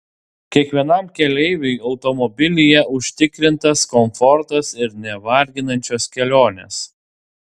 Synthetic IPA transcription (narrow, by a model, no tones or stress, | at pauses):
kʲiɛkʋʲiɛnɐmkʲɛlʲɛɪʋʲʊɪɒʊt̪ɔmɔbʲɪlʲɪjɛʔʊʃʲt̪ʲɪkɾʲɪnt̪ɐskɔmfɔɾt̪ɐsɪɾnʲɛʋɐɾʲɡʲɪnɐnʲt͡ʃʲoːskʲɛlʲoːnʲḛːs